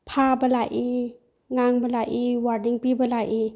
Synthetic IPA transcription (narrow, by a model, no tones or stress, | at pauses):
pʰabɐlajʔi | ŋaŋbɐlajʔiwaɾdiŋpibɐlajʔi